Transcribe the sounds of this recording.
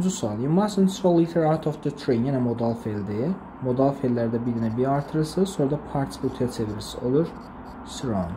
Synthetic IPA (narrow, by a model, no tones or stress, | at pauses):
d͡ʒusuɑlˠjumasənsɾolˠːit̪ʰeɾaɾt̪ʰovd̪ət̪ʰɾenjenɛmod̪alˠfelʲd̪i | mod̪alˠfelːæɾd̪æbid̪inɛbiɾɑɾt̪ʰɯɾɯsɯsoɾad̪ɑpʰaɾsbut̪ʰujat͡ʃʰeviɾisiolˠuɾ | sɾon